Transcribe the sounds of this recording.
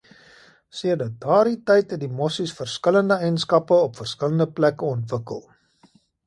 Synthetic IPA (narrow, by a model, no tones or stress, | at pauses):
siədət̚dɑːɾitɛjtɛdimɔsisfərskələndəɛjnskɐpəɔpfərskələndəplækəɔntvəkə̰lˠ